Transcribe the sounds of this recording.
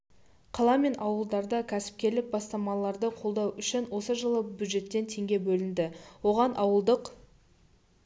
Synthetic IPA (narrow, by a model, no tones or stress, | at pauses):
qʰɑlˠɑme̞nʔɑwəlˠd̪ɑɾd̪ɑkʲʰæsɪ̥p̚kʲe̞lɪk̚bɑst̪ɑmɑlˠɑɾd̪əqʰo̞lˠd̪ɑwʏʃɪnwo̞səʒəlˠəbʲjud̪ʒe̞t̪ːe̞nt̪ʰe̞ŋɡʲe̞bɵlɪnd̪ɪwo̞ʁɑnʔɑwəlˠd̪əq